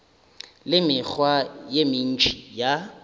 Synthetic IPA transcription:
lɪmɪk͡xʰwajemɪn̩t͡ʃʰʼija

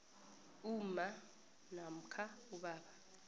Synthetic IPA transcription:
uma | nam̩kʰauɓaːɓa

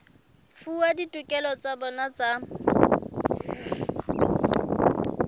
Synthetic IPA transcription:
fuaditʼukʼɛlɔt͡sabɔnat͡sʼa

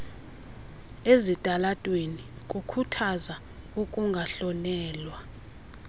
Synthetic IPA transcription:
ezitʼalatʼwenikʼukʰutʰaza | ukʼuŋɡʱaɬɔnɛːlwa

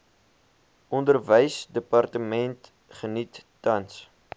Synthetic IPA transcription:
ʔɔndərvəjsdəpɐrtəmɛnt | χənitːɐns

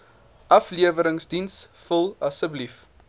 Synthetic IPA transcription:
ʔɐfliəvəɾəŋsdinsfəlˠɐsəblif

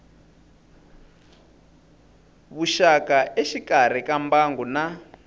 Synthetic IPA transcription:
βuʃakaʔeʃikar̤ikambaŋɡuna

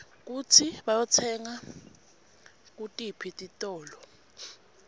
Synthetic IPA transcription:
k̬ut͡sʰiɓajɔt͡sʰɛŋa | k̬utʼipʰitʼitʼɔːlɔ

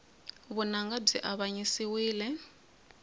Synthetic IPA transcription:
βunaŋɡab͡ʐiʔaβaɲisiwiːlɛ

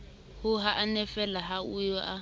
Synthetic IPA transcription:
hʊɦaʔːnɛfɛlaɦaujɔʔa

